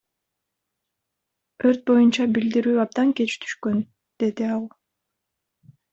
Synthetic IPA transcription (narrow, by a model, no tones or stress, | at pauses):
ø̞ɾt̪̚bo̞junt͡ʃɑbild̪iɾyːɑb̚d̪ɑŋke̞t͡ʃt̪ʰy̥ʃkø̞n | d̪̥e̞d̪iɑlˠ